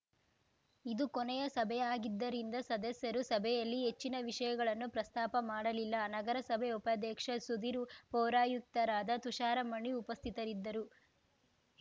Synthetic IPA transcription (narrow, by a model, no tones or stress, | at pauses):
id̪ukonɛjɐsɐbʱɛjaːɡid̪ːɐɾind̪ɐsɐd̪ɐsjɐɾusɐbʱɛjɐlːiɦe̞t͡ʃːinɐʋiʂɐjɐɡɐɭɐnːupɾɐst̪aːpɐmaːɽɐlilːɐnɐɡɐɾɐsɐbʱɛupɐd̪ɛːkʂɐsud̪iɾupɔːɾaːjuk̚t̪ɐɾaːd̪ɐt̪uʃaːɾɐmɐɳːiupɐst̪ʰit̪ɐɾid̪ːɐɾu